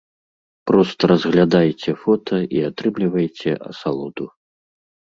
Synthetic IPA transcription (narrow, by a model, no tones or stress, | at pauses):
pɾɔst̪ɐɾɐzɣlʲad̪ajt͡sʲɛfɔt̪ʰɐʔiat̪ɾɨmlʲivɐjt͡sʲɛʔɐ̰salˠɔd̪u